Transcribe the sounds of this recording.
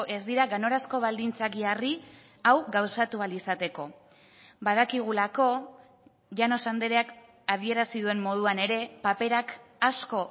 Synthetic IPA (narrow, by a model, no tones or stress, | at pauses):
ʔe̞zd̪iɾaɣano̞ɾasko̞β̞ald̪int͡saɣiari | awɣawsat̪ualisat̪e̞ko̞ | bað̞akiɣ̞ulako̞ | ʝano̞sand̪eɾeak | að̞ie̞ɾasiðue̞mmo̞ðuane̞ɾe̞pape̞ɾakasko̞